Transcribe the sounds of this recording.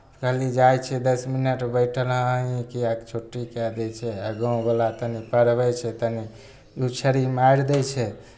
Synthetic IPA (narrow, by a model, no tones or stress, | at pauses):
kəɦlid͡ʒajt͡ʃʰɛd̪əsminəʈbəɪʈʰəlɦə̃ĩkiakt͡ʃʰoʈːikɛd̪ɛt͡ʃʰɛaɡə̃ũbəlat̪ənipəɾbɛt͡ʃʰɛt̪əni | ut͡ʃʰəɾimaɾd̪ɛt͡ʃʰɛ